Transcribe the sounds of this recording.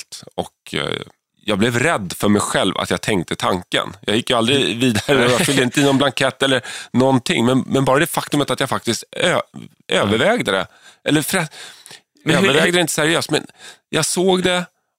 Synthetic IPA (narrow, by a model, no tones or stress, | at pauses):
t̪ɔ̰k | jɑːɡblɛvɾɛd̪ːfœɾmɛjɧɛlva̰t̪jɑɡt̪ʰɛŋkt̪ʰət̪ʰaŋkə̰njɑ̰ːɡjɪkːjɵald̪ɾɪviːd̪aɾəjafʏld̪əɪnt̪əɪnːɔnblaŋkʰɛt̪ːɛlːəɾnɔnt̪ʰɪŋːmɛnmɛnbɑːɾad̪ɛfakt̪ɵmət̪at̪jɑɡfak̚t̪ɪst̪ø | ʔøːvəɾvɛːɡd̪əd̪ɛ̰ | ɛlːəfœɾat̪ | øːɾvɛːɡd̪əɾɛɪnt̪ə̥sæɾɪøːst̪mɛ̰njʔɑɡsoːɡd̪ɛ